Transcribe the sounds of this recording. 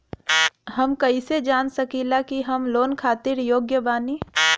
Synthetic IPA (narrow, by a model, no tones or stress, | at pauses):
ɦɐmkɐised͡ʒaːnsɐkilakiɦɐmloːnkʰaːt̪ɪɾjoːɡjəbaːni